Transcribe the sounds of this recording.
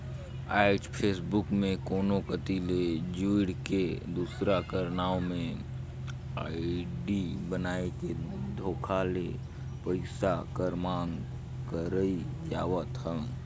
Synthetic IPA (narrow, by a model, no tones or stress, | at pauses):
aːɪt͡ʃpʰeːsbʊkmẽkoːnokət̪iled͡ʒuɪɽked̪uːsɾakəɾnaːomẽ | aːɪɖibənaːeked̪ʱoːkʰale | pəɪsakəɾmaːŋɡ | kəɾəid͡ʒaːwət̪ɦə̃